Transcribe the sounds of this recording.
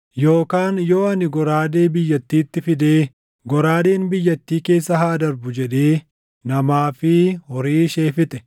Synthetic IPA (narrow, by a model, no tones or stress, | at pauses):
jo̞ːkaːnjo̞ːɐnɪɡɔɾaːd̪e̞ːbɪjːɐt̪ːiːt̪ːɪfɪd̪eː | ɡɔɾaːd̪eːnbɪjːɐt̪ːiːke̞ːsːɐɦaːd̪ɐɾbʊd͡ʒɛᶑeː | nɐmaːfɪhɔɾiːʃe̞ːfɪt̪ɛ